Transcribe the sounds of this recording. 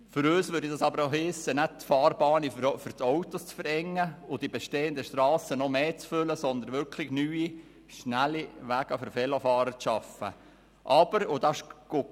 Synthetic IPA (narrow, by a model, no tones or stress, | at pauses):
fʏɾøːsʋʏɾdidɑsɑbəɾohɪsənæd̚t̪fɑːrbɑːnifʏɾtɔwt̪ost͡sfəɾɛŋːəʊd̥ibeʃteːəndəʃtɾɑːsənɔmeːt͡sfʏləsɔnd̪ənʋʏɾkʰlɪçnyːi | ʃnæliʋæɡ̥əfəɾfɛlofɑːɾət͡sʃɑfə̰ | ʔɑb̥əɾʊd̥̪ɑʃɡ̥o